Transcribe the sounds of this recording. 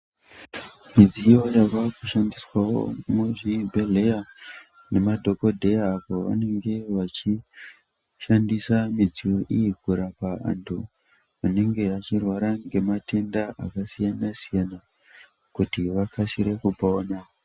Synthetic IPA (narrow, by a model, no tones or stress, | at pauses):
mid͡zijo̞jaʋakuʃandiswawo̞̰muʐibʱe̞le̞ja | ne̞madʱo̞ko̞dʱe̞jaːpo̞ʋa̰ne̞ŋɡe̞ʋat͡ʃi | ʃandisamid͡zio̞ʔijiɡʱuɾapaa̰ntʰu | ane̞ŋɡe̞at͡ʃirwaɾaŋɡe̞mate̞ndaʔa̰kasijanasijana | kutiʋakʰasiɾe̞kupaoːna